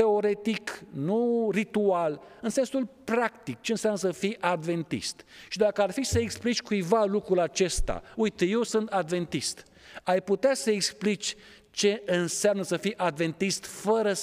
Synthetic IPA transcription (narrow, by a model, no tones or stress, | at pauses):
t̪e̞o̞ɾe̞t̪iknurit̪ual | ɨnse̞nsulpɾakt̪ik̚t͡ʃe̞ɨnsamnəsəfijʔad̪ve̞nt̪ḭst̪ʃid̪akəarfisəeksplit͡ʃʲkujvalukɾulat͡ʃe̞st̪a̰ujt̪je̞wsɨnt̪ad̪ve̞nt̪ist̪ | ajput̪easəeksplit͡ʃʲ | t͡ʃe̞ɨnseamnəsəfijʔad̪ve̞nt̪ist̪fəɾə